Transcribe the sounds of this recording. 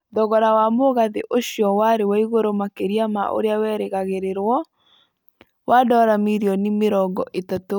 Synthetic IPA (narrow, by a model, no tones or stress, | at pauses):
dɔɣɔɾawamoɣaðeʔoɕjɔwaɾewaiɣoɾomakeɾiama̰ʔo̰ɾeawɛːɾeɣaɣeɾeɾwɔ | wadɔɾamiɾjɔnimeɾɔɡɔʔetato